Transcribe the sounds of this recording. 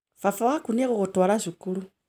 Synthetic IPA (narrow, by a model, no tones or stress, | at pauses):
fafoɣakuneɣuxutwalaʃikulu